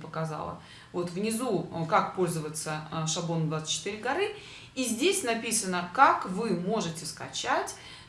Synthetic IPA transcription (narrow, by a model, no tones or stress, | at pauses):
pəkɐza̰lˠə̰ | vo̞t̪vnʲɪzukak̚po̞lʲzəvət̪səʂɐblo̞nmd̪vat̪sɨ̥t͡ɕːɪ̥t̪ɨɾʲɪɡɐɾɨ | izʲdʲesʲnɐpʲisənəkakvɨmo̞ʐɨtʲɪskɐ̰t͡ɕatʲ